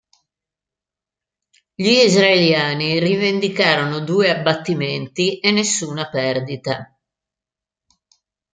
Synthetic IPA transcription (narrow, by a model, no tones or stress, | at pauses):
ʎiːzɾaeljaːnirivend̪ikaːɾonod̪uːeabːat̪ːiment̪iʔenːesːuːnapɛrd̪it̪a